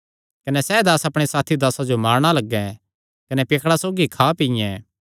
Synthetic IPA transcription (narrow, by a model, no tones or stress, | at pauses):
kɐnɛsɛːd̪aːsɐpɽ̃esaːt̪ʰid̪aːsad͡ʒomaːɾɽ̃alɐɡːɛ̃ | kɐnɛpeːkʰɽasoːɡikʰaːpijɛ̃